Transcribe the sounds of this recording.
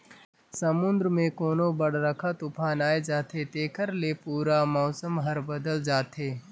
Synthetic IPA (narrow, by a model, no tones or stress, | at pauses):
sɐmʊ̃nd̪ɾəmẽkoːnobɐɽɾɐkʰat̪ʊpʰaːnaːed͡ʒaːt̪ʰet̪eːkəɾlepuːɾamɔːsəmɦɐɾbɐd̪əld͡ʒaːt̪ʰeː